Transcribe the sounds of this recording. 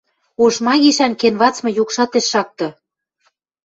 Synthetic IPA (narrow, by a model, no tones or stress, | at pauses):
oʃmɑɣiʃænkenβɑt͡smɤ̆jukʃɑt̪eʃːɑk̚t̪ɤ̆